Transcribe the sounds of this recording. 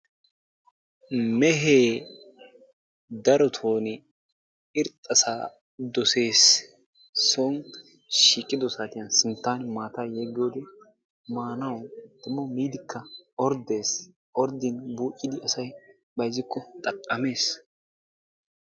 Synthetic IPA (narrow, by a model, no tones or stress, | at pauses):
mɛɦeː | d̪ɐɾɔt̪ʰoːnɪ | ɪɾt̪ʼːɐsaː | d̪ɔse̞ːs | soŋ | ʃiːkʼːɪd̪ɔsaːt̪ɪjɐnsɪnt̪ːaːnmaːt̪aːjeɡɪjoːd̪ɛ | maːnɐwd̪̥ʊmːɔmiːd̪ɪkʰːɐɔɾd̪e̞ːs | ʔɔɾd̪ɪnbuːʔʼːɪd̪ɪʔɐsɐj | bɐjzɪkːɔt̪ʼɐkʼːɐme̞ːs